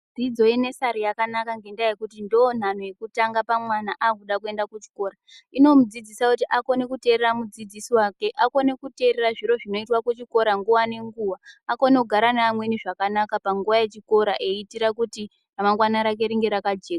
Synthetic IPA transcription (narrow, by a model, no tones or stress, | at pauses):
d͡zid͡zo̞ine̞saɾijakanakaŋɡe̞ndajekutindoːn̤an̤o̞je̞kutaŋɡapamwanaʔaːkuɗakue̞ndakut͡ʃi̥ko̞ːɾaino̞mud͡zid͡zisakutiʔako̞ne̞kute̞ɾeɾamud͡zid͡zisiwake̞ʔako̞ne̞kute̞ɾeraʐiɾo̞ʐino̞itwakut͡ʃiko̞ɾaŋɡuʋane̞ŋɡuʋaːko̞nekuɡʱaɾanaːmwe̞niʐakanakapaŋɡuʋaje̞t͡ʃiko̞ɾaʔe̞itiɾakuti | namaŋɡwanaɾak̬e̞ɾiŋɡe̞ɾakad͡ʒeːka